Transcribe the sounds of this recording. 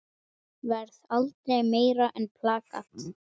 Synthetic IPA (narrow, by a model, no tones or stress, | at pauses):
vɛɾθalt̪ejmeːjɾaʔɛnpʰlaːka̰t̪